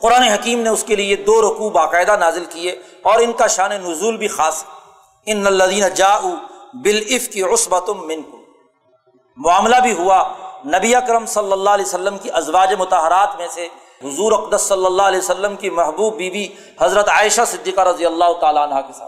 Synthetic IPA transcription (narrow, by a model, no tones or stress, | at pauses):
qʊɾaːneɦɐkiːmneʊskelied̪oːɾʊkuːbaːqaːɪd̪anaːzɪlkie | ɔːɾɪnkaʃaːnenʊzuːlbʱixaːs | ɪnːɐlːɐðiːnɐd͡ʒaːʔubɪlɪfkiʊsbɐt̪ʊmːɪ̃nkʊm | mʊaːmlabʱiɦuanɐbiɐkɾəmsɐlːəlːaːɦɐlɛːjosɐlːəmkiʔɐzʋaːd͡ʒemʊt̪aɦəɾaːt̪mẽse | ɦʊzuːɾɐqd̪əsːɐlːəlːaːɐlɛːjsɐlːəmkimɐɦbuːbːiːbʱi | hɐzɾət̪aːɪʃasɪd̪ːiːqaɾɐd̪ijəlːaːɦʊt̪aːlaɐnɦakesa̰ːt̪